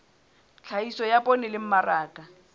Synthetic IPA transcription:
t͡ɬʰaisɔjapʼɔnɛlɪm̩maraːkʼa

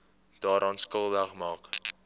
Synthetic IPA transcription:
d̥ɑːɾʔɑːnskəlˠvəχmɑːk

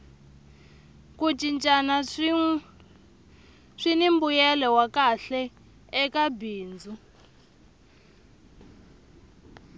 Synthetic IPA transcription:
kut͡ʃint͡ʃʼana | ʂinimbujɛlɛwakaɬɛː | kabiːnd͡zu

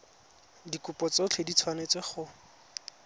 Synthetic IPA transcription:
dikʊpɔt͡sot͡ɬʰedit͡sʰwanet͡sweχʊ

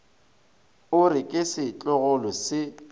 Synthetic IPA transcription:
ʊrɪkʼɪsɪt͡ɬʼɔɣɔlɔsɪ

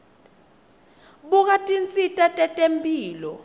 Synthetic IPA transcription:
ɓuk̬atʼint͡sʼitʼatʼɛtʼempʼiːlɔ

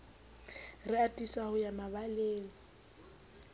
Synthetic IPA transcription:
rɪatʼisahʊjamaβaleːlɔ

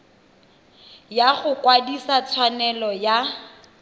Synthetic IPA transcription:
jaɣʊkwadisat͡sʰwanɛlɔja

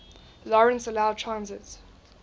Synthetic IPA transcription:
lɔɹə̃nsəlaʊd̚tʰɹãnzɪt

